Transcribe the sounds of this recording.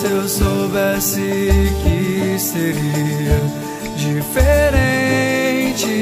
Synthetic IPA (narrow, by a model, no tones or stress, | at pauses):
ewsobɛsɪkɪseɾiɐ | d͡ʒifeɾẽ | t͡ʃɪ